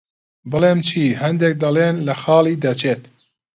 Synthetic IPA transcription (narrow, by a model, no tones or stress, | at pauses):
bɨleːmt͡ʃʰiːɦɛnd̪ɛk̚d̪ɐleːnlɛxɑːliːd̪ɛt͡ʃʰeːt̪